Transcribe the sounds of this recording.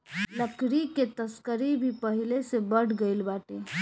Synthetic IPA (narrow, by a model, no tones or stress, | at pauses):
ləkɽiket̪əskəɾibʱipəɦilesebəɽɡəɪlbaʈe